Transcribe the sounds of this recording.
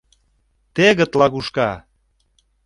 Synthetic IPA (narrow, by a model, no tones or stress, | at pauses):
t̪eɣə̆t̪lɑɣuʃkɑ